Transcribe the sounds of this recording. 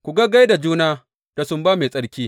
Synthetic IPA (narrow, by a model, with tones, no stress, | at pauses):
kʷu˨ɡa˦ɡa˦jda˨d͡ʒuː˦naː˦ | d̥a˨sʊ˦mbaː˦me˨sʼɐ˦ɽkʲiː˦